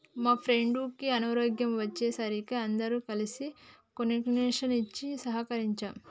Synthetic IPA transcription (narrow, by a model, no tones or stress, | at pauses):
maːpʰɾeɳɖuːkːiɐnɐɾoːɡjɐmʋɐt͡ʃːeːsɐɾikiɐnd̪ɐɾuːkɐlisikoniʈneːʂɐnit͡ʃːisɐɦɐkɐɾiɲt͡ʃaːm